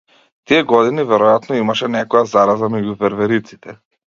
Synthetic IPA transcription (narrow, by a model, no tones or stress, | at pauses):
t̪ijɛɡɔd̪inivɛɾɔjat̪nɔimaʃɛnɛkɔjazaɾazamɛɟuvɛɾvɛɾit̪si̥t̪ɛ